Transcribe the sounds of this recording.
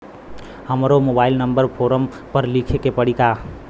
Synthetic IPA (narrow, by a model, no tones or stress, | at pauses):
həmɾomobaɪlnəmbəɾpʰoɾəm | pəɾlikʰekepəɽika